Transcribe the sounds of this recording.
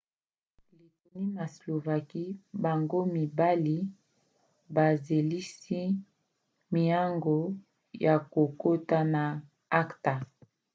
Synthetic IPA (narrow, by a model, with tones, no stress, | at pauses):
li˨to˨ni˦na˨slo˨va˨ki˦ba˨ŋɡo˦mi˨ba˦li˦ | ba˨ze˨li˦si˦ | mi˨ja˦ŋɡo˨ | ja˨ko˨ko˦ta˦na˨ | a˦kta˨